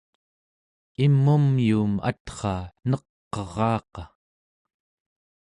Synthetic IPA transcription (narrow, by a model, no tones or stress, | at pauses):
imːumjuːma̰t̪χɑːnʌqː | ʌʁɑːqɑ